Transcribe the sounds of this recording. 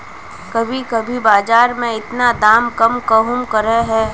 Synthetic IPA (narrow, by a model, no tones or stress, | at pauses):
kɐbʱikɐbʱibaːd͡ʒaːɾmẽɪt̪nad̪aːmkɐmkəɦʊmkɐɾɛɦɛː